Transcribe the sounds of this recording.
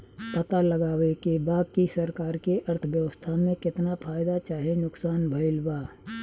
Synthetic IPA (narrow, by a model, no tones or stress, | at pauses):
pət̪aləɡaːwekebaːkisəɾkaːɾkeʔɐɾt̪ʰəbjəwəst̪ʰamẽkɪt̪napʰaːɪd̪at͡ʃaːɦenʊksaːnbʱəɪlbaː